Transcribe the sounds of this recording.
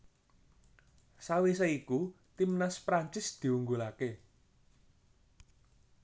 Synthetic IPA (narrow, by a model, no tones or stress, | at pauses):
sawisaiku | t̪imnaspɾaɲt͡ʃɪsd̪̥i̤wuŋɡulake